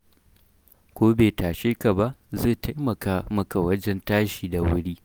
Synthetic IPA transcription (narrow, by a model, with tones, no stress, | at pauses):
kʷoː˦beː˨taː˨ʃeː˦ka˨ba˦ʔzeː˦˨ta˦jmɐ˨kaː˦mɐ˨ka˨wɐ˦d͡ʒɛ˦ntaː˦ʃiː˨da˨wʊ˦ɽiː˦